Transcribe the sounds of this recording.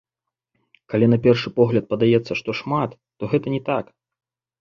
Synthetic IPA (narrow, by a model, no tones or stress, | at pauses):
kalʲinɐpʲɛrʂɨpɔɣlʲɐt̪̚pɐd̪ajɛt̪sːɐʂt̪ɔʂmat̪ːɔɣɛt̪ɐnʲɛt̪ak